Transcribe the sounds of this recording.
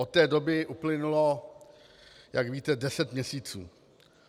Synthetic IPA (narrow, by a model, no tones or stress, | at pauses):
ot̪̚t̪ːɛːdo̞bɪʔuplɪnulo̞ | jakviːt̪ɛdɛsɛt̪mɲɛsiːt͡sṵː